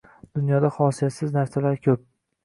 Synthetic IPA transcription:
d̪̥ʊnjɒd̪ahɒsijat̪sɪznaft̪ʰalaɾkʲʰɵp̚

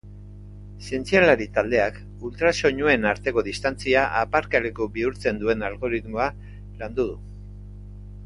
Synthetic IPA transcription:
sie̞nt͡sialaɾit̪ald̪e̞ak | ult̪ɾaso̞ɲue̞naɾt̪e̞ko̞ð̞ist̪ant͡siaʔapaɾkale̞kobiuɾt͡se̞nd̪ue̞nalɣo̞ɾit̪moa | land̪uð̞u

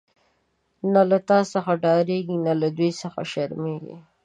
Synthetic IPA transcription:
nalat̪ɑsəxaɖɑɾeɡinalad̪ujsəxa̰ʃaɾmeɡḭ

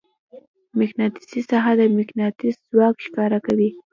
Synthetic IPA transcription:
mɪxnɑt̪i̥sisaɦad̪əmɪknɑt̪iszwɑkʃkɑɾakawi

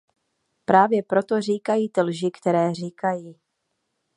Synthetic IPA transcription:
pɾaːvjɛpɾo̞t̪o̞riːkajiːt̪ɪlʒɪkt̪ɛɾɛːr̝iːkajiː

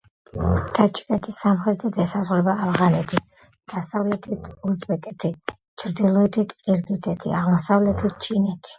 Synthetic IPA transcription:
t̪ʰat͡ʃʼi̥kʼɛt̪ʰisamχɾɛt̪ʰɛt̪ʰɛsazʁɾɛbaːvʁanɛt̪ʰi | d̪̥asavlɛt̪ʰit̪ʰuzbɛkʼɛt̪ʰi | t͡ʃʰɾd̪ilˠɔɛt̪ʰit̪ʰkʼiɾɡid̪sʰʼɛt̪ʰḭaʁmɔsavlɛt̪ʰit̪̚t͡ʃʰʼinɛt̪ʰi̥

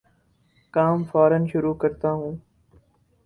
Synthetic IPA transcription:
kaːmfaːɾənʃʊɾuːkəɾt̪aːɦũː

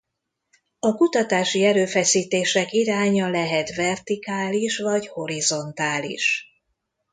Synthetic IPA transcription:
ɒkut̪ɒt̪aːʃiɛɾøːfɛsiːt̪eːʃɛkiɾaːɲɒlɛɦɛt̪vɛrt̪ikaːliʃvɒɟho̞ɾizo̞nt̪aːlḭʃ

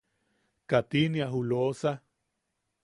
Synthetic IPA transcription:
kat̪iniaɦulosa

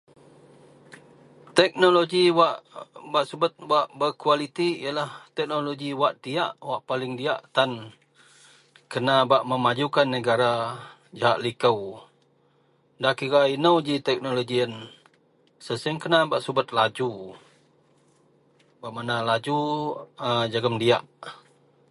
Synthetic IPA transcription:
t̪ɛk̚noloɡiwaʔbaʔsubət̪̚waʔbərkualit̪iəlaht̪ɛk̚noloɡiwaʔd̪iaʔwaʔpalɪŋdiaʔt̪an | kənabaʔməmad͡ʒukanːəɡaɾa | d͡ʒaɦaʔlikəw | dakiɾainəwd͡ʒit̪ɛk̚noloɡiən | səsəəŋkənabaʔsubət̪̚lad͡ʒu | baʔmanalad͡ʒuəd͡ʒaɡəmdia̰ʔ

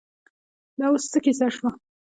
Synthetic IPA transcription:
d̪awust̪əkisaʃwa

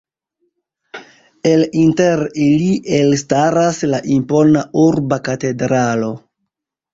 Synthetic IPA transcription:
e̞linte̞ɾiliʔe̞lstaɾaslaʔimpo̞nauɾbakate̞dɾalo̞

